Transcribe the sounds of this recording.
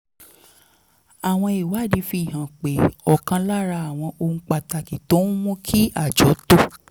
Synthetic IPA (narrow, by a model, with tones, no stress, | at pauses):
a˨w̃ɔ̃˧i˨wa˨˦˨di˨˧fi˧˦˨ɦã˨k͡pe˨ɔ˨kã˧la˦ɾa˧a˨w̃ɔ̃˧ʔõ˧˦k͡pa˧ta˧ki˨to˨˦ũ˦mũ˦kʰi˦a˦˨d͡ʒɔ˨˦to˦